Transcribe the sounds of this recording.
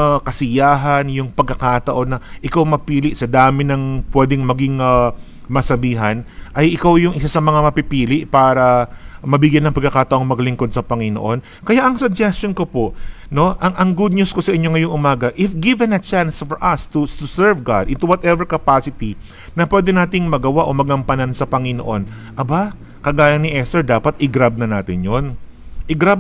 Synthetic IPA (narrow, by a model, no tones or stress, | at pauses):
kɐsɪjaːɦɐnjʊŋpɐɡ̚kːɐkat̪ɐʔo̞nːɐʔɪkawmɐpiːlɪʔsɐd̪aːmɪnɐŋpwɛːd̪ɛŋmɐɡɪŋɐ | mɐsɐbiːɦɐnʔɐjʔɪkawjʊŋʔɪsasɐmɐŋamɐpɪpiːlɪʔpaːɾɐmɐbɪɡjanːɐŋpɐɡkːɐkat̪ɐʔo̞ŋmɐɡlɪŋkod̪̚sɐpɐŋɪno̰ʔo̞n | kɐjaʔɐŋsʊɡ̚d͡ʒɛstonkopoʔno̞ʔɐŋʔɐŋɡud̪̚ɲusko̞sɐʔɪɲːoŋɐjo̞ŋʔʊmaːɡɐʔɪfɡɪvɛ̃nɐt͡ʃansfɔɹʔɐst̪ut̪ʊsɛɹvɡa̰d̪ʔɪnt̪uwɐt̪ɛvɛɹkɐpasɪt̪i | nɐpwɛd̪ɛnaːt̪ɪŋmɐɡɐwaʔo̞mɐɡɐmpɐnɐnsɐpɐŋɪno̰ʔo̞n | ʔɐba | kɐɡaːjɐŋnɪʔɛst̪ɛɹd̪aːpɐt̪ɪɡɾab̚nɐnaːt̪ɪnjon | ʔɪɡɾab